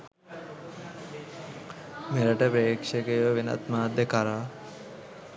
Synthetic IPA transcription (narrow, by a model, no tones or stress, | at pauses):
meɾəʈəpeːkʃekejʋəʋena̰t̪maːd̪ekaɾaː